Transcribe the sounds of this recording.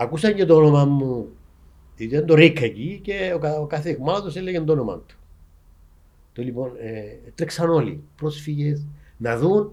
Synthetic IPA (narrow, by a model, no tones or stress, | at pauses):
ɐkusɐɲɟet̪oonomɐmːu | iend̪oɾikʰːeciceokɐokɐθikmɐlɐt̪oselːeʝend̪onomɐ̰nt̪u̥ | t̪olipo̞net̪ɾeksɐno̞lḭpɾo̞sfiʝesnɐðun